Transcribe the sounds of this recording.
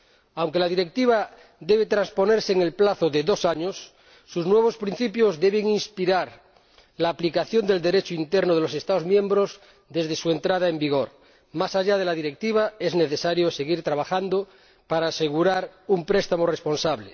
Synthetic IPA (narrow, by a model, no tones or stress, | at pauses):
awŋke̞lað̞iɾe̞k̚t̪iβ̞a | ðe̞β̞et̪ɾanspo̞neɾseːŋe̞lplaθoðeðo̞saɲosː | uznwe̞β̞o̞spɾin̟θipjo̞zðe̞βeŋinspiɾaɾ | laːplikaθjo̞nd̪e̞ld̪eɾet͡ʃoint̪eɾnoð̞e̞lose̞st̪aozmjẽmbɾo̞z | ðe̞zðe̞sue̞nt̪ɾaðaembiɣo̞ɾ | masaʝað̞e̞lað̞iɾek̚t̪iβ̞ae̞zne̞θesaɾjose̞ɣiɾt̪ɾaβ̞axand̪o | paɾaːse̞ɣuɾaɾumpɾest̪amorespo̞nsaβle